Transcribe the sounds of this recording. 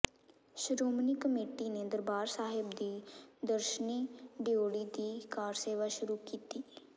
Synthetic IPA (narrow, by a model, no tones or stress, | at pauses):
ʃɾoːmnikəmeːʈineːd̪əɾbaːɾsaːɦɪbd̪iːd̪əɾʃəniːɖijoːɽiːd̪iːkaːɾseːʋaːʃʊɾukiːt̪iː